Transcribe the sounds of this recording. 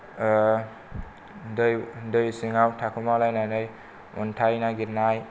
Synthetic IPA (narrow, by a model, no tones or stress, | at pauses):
dɯjdɯjsiŋawtʰakʰumalajnajnɯj | ɔntʰajnaɡiɾnaj